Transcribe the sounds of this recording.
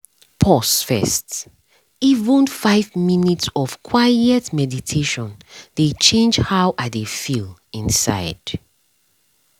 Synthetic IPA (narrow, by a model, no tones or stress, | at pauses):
pʰɔsfɛ̰st | ivə̃nfaɪvminitsɔv̥kʰwaɪɛtmɛditʰeʃɔ̃nd̥et͡ʃẽnd͡ʒhawʔadefilĩnsa̰ɪd̥